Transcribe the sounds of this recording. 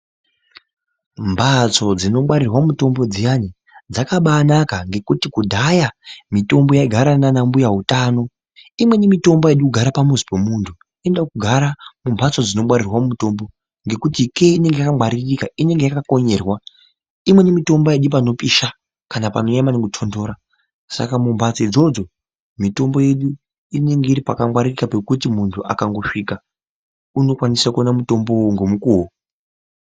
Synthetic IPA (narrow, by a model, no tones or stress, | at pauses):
mbʱat͡so̞d͡zino̞ɓaɾirwamuto̞mbo̞d͡zijani | d͡zakaɓaːnakaŋɡe̞kutikudʱajamito̞mbo̞jaiɡʱaɾananambujaɦutaːno̞ | imwe̞nimito̞mboje̞ɗukuɡʱaɾapamuzi̥pemuːntʰu | e̞ndakuɡʱaɾamumbʱat͡so̞d͡zino̞ɓwaɾirwamumuto̞mbo̞ | ŋɡe̞kutikeine̞ŋɡejakamwaɾirrikaine̞ŋɡejakako̞ɲe̞rwa | imwe̞nemito̞mbojeɗip̬ano̞pʼiʃa | kanapano̞ɲamaneŋɡutʰondo̞ːɾa | sa̰kamumbʱat͡soid͡zo̞d͡zo̞ | mito̞mbo̞je̞ɗu | ine̞ŋɡe̞iɾipakamwaɾirikape̞kutimuntʰuʔa̰kaŋɡo̞ʂika | uno̞kwanisakuonamuto̞mbo̞woŋɡo̞mukuwo